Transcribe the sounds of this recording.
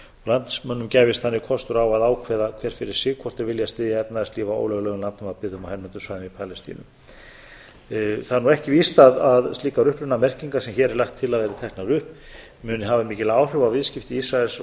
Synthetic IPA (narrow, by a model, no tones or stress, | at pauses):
ɔɣlant̪smœnːʏmcaːjvɪst̪θanːɪɣkʰɔst̪ʏɾawaðaːwkʰvɛːðakʰvɛɾ̥fɪɾɪɾ̥sɪːɣkʰvɔr̥t̪ɪɾvɪljast̪ɪːðjaɛt̪naðɛst̪iːvao̰ːwlœɣlɛɣʏmlant̪nʏmaðpɪðʏmawhanːʏnt̪ʏmsvajðɪmipʰalɛst̪ḭnʏ̰ | θaðɛɾnuɛhcɪviːst̪aðaðst̪liːkaɾʏhpɾʏnamɛr̥ciŋkasɛmçɛːɾɛɾlaxt̪ʰːɪlaðvɛɾɪt̪ʰɛhk̪naɾʏhp | mʏnɪɦaːvamiːcɪlaːwr̥ʏvawvɪðscɪft̪ɪisɾaɛls